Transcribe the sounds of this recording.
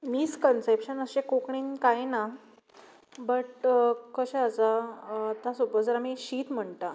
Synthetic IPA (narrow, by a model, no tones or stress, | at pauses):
miskənsepɕənəɕekokɳiːnkajna | bəʈkəɕeət͡sat̪asobəd͡zəɾamiɕiːt̪m̤əɳt̪a